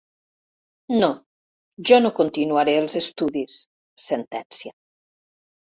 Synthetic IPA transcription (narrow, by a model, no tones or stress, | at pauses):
no | ʒɔnokont̪inuaɾeəlˠzest̪uðisː | ent̪ɛnsja